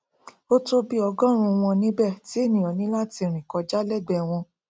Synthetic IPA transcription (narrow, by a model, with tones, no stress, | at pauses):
o˦to˦bi˦ɔ˧ɡɔ̃˦ɾ̃ũ˧w̃ɔ̃˧nĩ˦bɛ˦˨ti˨˦e˦˨nĩ˨ɔ˨nĩ˨˦la˦ti˧ɾ̃ĩ˨kɔ˧d͡ʒa˦lɛ˦˨ɡ͡bɛ˧˨w̃ɔ̃˧